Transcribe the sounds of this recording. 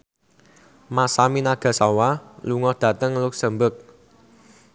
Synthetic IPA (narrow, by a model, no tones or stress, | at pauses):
masaminaɡ̥ä̤sɔwaluŋɔhd̪̥ä̤t̪əŋlʊk̚səmbək̚